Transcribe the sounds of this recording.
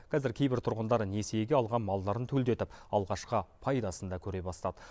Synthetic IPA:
qʰɑzɪɾkʲʰe̞jbɪɾt̪ʰʊɾʁənd̪ɑɾne̞sejɡʲe̞ɑlˠʁɑnmɑlˠd̪ɑɾənt̪ʰɵld̪e̞t̪ɪpɑlˠʁɑʃqəpʰɑjd̪ɑsənd̪ɑkʲʰɵɾe̞bɑst̪ɑd̪ə

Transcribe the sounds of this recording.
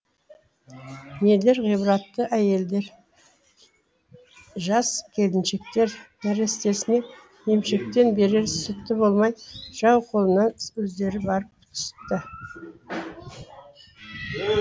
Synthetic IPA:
nele̞ɾʁijbɾɑt̪ːəʔæje̞ld̪e̞ɾ | ʒɑskʲʰe̞lɪnʃe̞k̚t̪e̞ɾnæɾest̪e̞sɪne | je̞mʃe̞k̚t̪e̞nbe̞ɾe̞ɾsʏt̪ːɪbo̞lˠmɑj̪ʒ̥ɑwqʰo̞lˠənɑnɵzd̪e̞ɾɪbɑɾəp̚t̪ʰʏ̥sɪ̥p̚t̪ːɪ

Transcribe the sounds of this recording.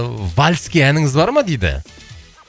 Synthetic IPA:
valʲskʲiænɪŋɪzbɑɾmɑd̪ejd̪ɪ̰

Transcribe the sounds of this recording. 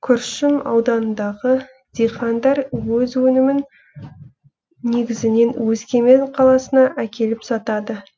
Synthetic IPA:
kʲʰʏɾʃɪmɑ̰wd̪ɑnənd̪ɑʁə | d̪̥ʲejχɑnd̪ɑɾwɵzwɵnɪmɪn | e̞ɡʲɪzɪne̞nwɵzkʲe̞me̞nqʰɑlˠɑsənɑʔækʲe̞lɪpsɑt̪ɑd̪ə

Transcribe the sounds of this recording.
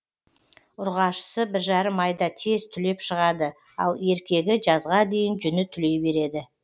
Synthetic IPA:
ʊɾʁɑʃə̥səbɪɾʒɑɾəmɑjd̪ɑt̪ʰe̞zt̪ʰʏle̞pʃəʁɑd̪ə | ɑ̰lˠe̞ɾkʲe̞ɡʲɪʒɑzʁɑd̪e̞jɪnʒʏnɪt̪ʰʏle̞jbe̞ɾe̞d̪ɪ

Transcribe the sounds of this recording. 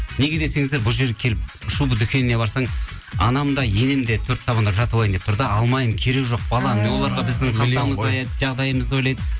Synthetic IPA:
ne̞ɡʲe̞d̪e̞se̞ŋɪzd̪e̞ɾbʊlˠʒeɾɡʲekʲʰe̞lɪp̚ʊʃubəd̪ʏkʲe̞nɪne̞bɑɾsɑɴ | ɑ̰nɑmd̪ɑje̞nɪmd̪e̞t̪ʰɵɾt̪ʰːɑβɑnd̪ɑʒɑt̪ɑlˠɑjənd̪et̪ʰʊɾd̪əɑlˠmɑjəmkʲʰe̞ɾe̞kʒo̞q̚bɑlˠɑmɪnewo̞lˠɑɾʁɑbɪzd̪ɪɴqʰɑɑməzɑ | ʒɑʁd̪ɑjəməzd̪əwo̞jlˠɑjd̪ə

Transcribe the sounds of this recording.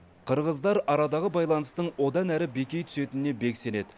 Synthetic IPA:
qʰəɾʁəzd̪ɑɾɑɾɑd̪ɑʁəbɑjlˠɑnəst̪əɴwo̞d̪ɑnæɾɪbe̞kʲe̞jt̪ʰʏ̥se̞t̪ɪnɪne̞be̞kse̞ne̞d̪ɪ

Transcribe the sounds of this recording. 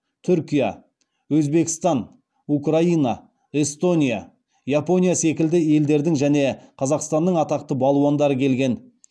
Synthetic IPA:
t̪ʰʏɾkʲija | wɵzbe̞kʲɪ̥st̪ɑn | ukrainɑ | e̞st̪o̞nʲija̰ | japo̞nʲijase̞kʲɪld̪ɪe̞ld̪e̞ɾd̪ɪŋʒæne̞qʰɑzɑqst̪ɑnːəɴɑt̪ɑqt̪əbɑlˠuwɑnd̪ɑɾəkʲʰe̞lɡʲe̞n

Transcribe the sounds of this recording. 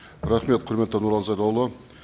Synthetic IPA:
ɾaχme̞t̪̚qʰʊɾme̞t̪ːenuɾɑlzɑjd̪ɑwlˠə

